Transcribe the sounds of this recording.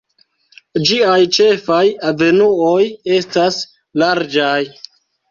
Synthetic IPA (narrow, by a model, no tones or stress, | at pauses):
d͡ʒiajt͡ʃe̞fajave̞nuoje̞stas | laɾd͡ʒaj